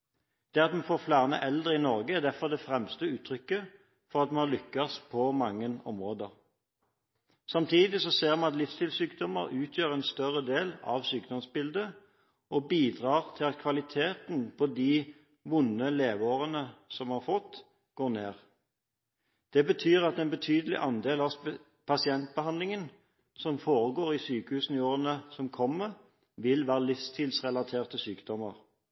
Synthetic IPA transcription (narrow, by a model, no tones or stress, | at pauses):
d̪̥ɛːɑt̪mɛfoːʁflæːʁnə̰ʔɛld̪ʁəɪnɔʁɡəæʁd̪æfɔʁd̪ɛfʁɛmst̪əʉːt̪ʰʁʏkːə | fɔʁɑt̪mɛnhɑʁlʏkːɑspʰɔmɑŋːənɔ̰mʁoːd̪əʁ | sɑmt̪ʰiːd̪ɪsɔseːʁmɛnɑt̪lɪfst̪ɪlsyːkd̪ɔməʁʉːt̪ʰjøːʁɛnst̪œʁəd̪eːlɑ̰ʋsyːkd̪ɔmsbɪld̪ə | ʔɔbiːd̪ʁɑːʁt̪ʰɪlɑt̪kʰʋɑlɪt̪ʰeːt̪npʰɔd̪iː | ʋʊnəleːʋoːʁənəsɔmhɑʁfɔt̪ | ɡ̥oːʁneːʁ | d̪̥ɛbət̪ʰyːʁɑt̪ɛnbət̪ʰyːd̪əlɪ̰ʔɑnd̪eːlɑ | pʰɑsɪɛnt̪̚bəhɑnd̪lɪŋən | sɔmfoːʁəɡoːʁisyːkəhʉːsn̩ɪoːʁənəsɔmkʰɔmːəʁ | ʋɪlʋæːʁəlɪfst̪ʰɪːlsʁɛlɑt̪ʰeːʁt̪əsyːkd̪̥ɔməʁ